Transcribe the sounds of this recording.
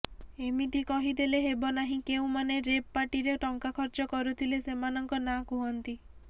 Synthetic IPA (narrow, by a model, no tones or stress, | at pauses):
emid̪ikɔɦid̪eleɦebɔnaɦĩkeũmaneɾepːaʈiɾeʈɔŋkakʰɔɾt͡ʃɔkɔɾut̪ʰilesemanɔŋkɔnakuɦɔnt̪i